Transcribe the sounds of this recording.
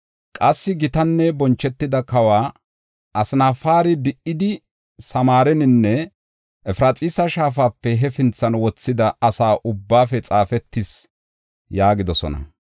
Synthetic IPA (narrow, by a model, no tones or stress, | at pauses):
kʼɐsːɪɡɪt̪ɐnːɛbɔnt͡ʃːɛt̪ːɪd̪ɐkɐwaː | ɐsnaːfaːɾɪd̪ɪʔɪd̪ɪ | sɐmaːɾɛnɪnːɛ | ʔɛfɾat͡sʼiːsɐʃaːfaːpːɛɦɛfɪnt͡sːɐnwɔt͡sːɪd̪ɐɐsaːʔʊbːaːfɛt͡sʼaːfɛt̪ːɪs | jaːɡɪd̪ɔsɔ̰nɐ̰